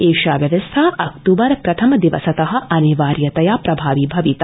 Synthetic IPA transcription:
eːʃaːɡɐd̪ɐst̪ʰɐʔɐkt̪uːbɐɾpɾɐt̪ʰɐmɐd̪iʋɐsɐt̪ɐɦɐ̆ʔɐniʋaːɾjɐt̪ɐjaːpɾɐbʱaːʋibʱɐʋit̪ɐ

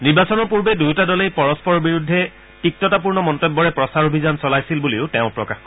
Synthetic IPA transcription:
niɹbasɔnɔɹpuɹbɛdujtadɔlejpɔɹɔspɔɹɔbiɹudʱːɛ | tik̚tɔtap̬uɹnɔmɔntɔbːɔɹɛpɹɔsaɹobʱizansɔlajsilbuliʊtɛʊ̃pɹɔkaxk

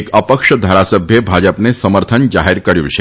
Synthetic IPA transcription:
kəpəkʃəd̪ʱaɾasəbʱjəbʱad͡ʒəpnesəməɾt̪ʰənd͡ʒaɦiɾkəɾjṵ̃t͡ʃʰe

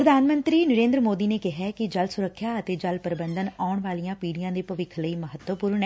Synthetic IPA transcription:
pɾəd̪aːnmə̃nt̪ɾiːnəɾẽːnd̪ɾəmoːd̪iːneːkɪɦɛːkɪd͡ʒəlsʊɾəkʰːjaːət̪eːd͡ʒəlpəɾɪbə̃nd̪ənaːʊɳʋaːlijãːpiːɽijãːd̪eːpəʋɪkʰləiːməɦət̪ʋəpuːɾɳɛ

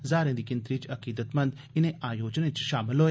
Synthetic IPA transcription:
zaːɾẽːd̪iːkɪnt̪ɾit͡ʃɐkiːd̪ət̪mə̃nd̪ | ɪnẽaːjoːd͡ʒnẽt͡ʃʃaːmɪlɦoe

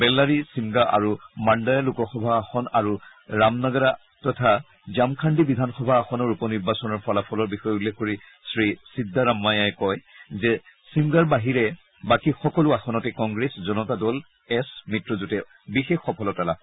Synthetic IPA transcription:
bɛlːaɹisimɡaʔa̰ɹumandajalukɔxɔbʱaːxɔnaɹu | ɹamnaɡaɹa | tɔtʰa | zamkʰandibidʱanxɔbʱaːxɔnɔɹupɔniɹbasɔnɔɹpʰɔlapʰɔlɔɹbixɔjulːexkoɹi | sɹisidʱːaɹamːajajkɔjzɛsimɡaɹbaɦiɹɛ | bakixɔkɔlʊaxɔnɔtɛkɔŋɡɹeszɔnɔtadɔl | ɛsmitɹɔzutɛ | bixexːɔpʰɔlɔtala

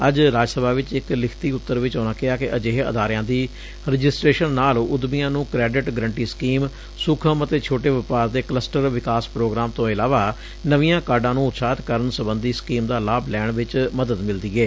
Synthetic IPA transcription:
əd͡ʒɾaːd͡ʒəsəbaːʋɪt͡ʃɪklɪkʰt̪iːʊt̪ːəɾʋɪt͡ʃoːnaːkɪaːkeʔəd͡ʒeːɦə̰d̪aːɾɪjãːd̪iː | ɾəd͡ʒɪsʈɾeːʃənːaːlʊd̪bijãːnũːkɾɛːɖɪʈɡəɾəɳʈiːskiːm | sʊkʰəmət̪eːt͡ʃʰoːʈeːʋɪpaːɾd̪eːkləsʈəɾʋɪkaːspɾoːɡɾaːmt̪õːɪlaːʋaː | nəʋijãːkaːɾɖãːnũːʊt̪saːt̪kəɾənsəbənd̪iːskiːmd̪aːlaːblɛːɳʋɪt͡ʃməd̪əd̪mɪld̪iːɛː

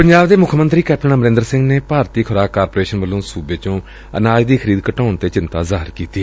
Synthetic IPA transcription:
pəɲd͡ʒaːbd̪eːmʊkʰmənt̪ɾiːkɛːp̚ʈəɳaːməɾɪ̃nd̪əɾsɪ̃ŋɡneːpaːɾt̪iːkʰʊɾaːkːaːɾpoːɾeːʃənʋəlːõːsuːbeːt͡ʃõː | ə̰naːd͡ʒd̪iːkʰəɾiːd̪kəʈaːnt̪eːt͡ʃɪnt̪aːzaːɦɾkiːt̪iː

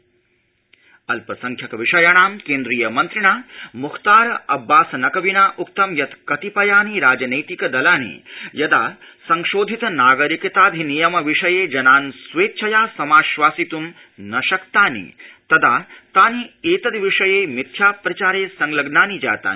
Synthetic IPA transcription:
ɐlpɐsɐŋkʰjɐkɐʋiʂɐjaːɳaːmkeːnd̪ɾiːjɐmɐnt̪ɾiɳ̃aːmukʰt̪aːɾɐʔɐbːaːsɐnɐkɐʋinaːʔuk̚t̪ɐmjɐt̪kɐt̪ipɐjaːniɾaːd͡ʒɐnɐjt̪ikɐd̪ɐlaːnḭjɐd̪aː | sɐŋʃoːd̪ʱit̪ɐnaːɡɐɾikɐt̪aːd̪ʱinijɐmɐʋiʂɐjeːd͡ʒɐnaːnsʋeːtːt͡ʃʰɐjaːsɐmaːʃʋaːsit̪um | nɐʃɐkt̪aːnḭt̪ɐd̪aːt̪aːnieːt̪ɐd̪ʋiʂɐjeːmit̪ʰjaːpɾɐt͡ʃaːɾeːsɐŋlɐɡnaːnid͡ʒa̰ːt̪a̰ːni

